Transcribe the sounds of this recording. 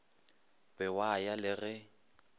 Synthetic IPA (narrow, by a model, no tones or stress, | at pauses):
bɛwajalɪɣɛ